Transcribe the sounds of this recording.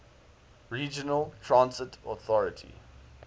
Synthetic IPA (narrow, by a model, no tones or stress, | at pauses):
ɹiːd͡ʒənəlˠtʰɹãnsɪtʰɔθɔɹətʰḭ